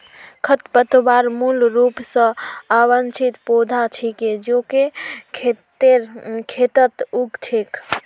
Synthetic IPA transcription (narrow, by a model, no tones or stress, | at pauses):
kʰət̪pət̪obaɾmulɾupsə̃abənt͡ʃʰit̪pod̪ʱat͡ʃʰiked͡ʒokekʰet̪eɾkʰet̪ət̪uɡt͡ʃʰek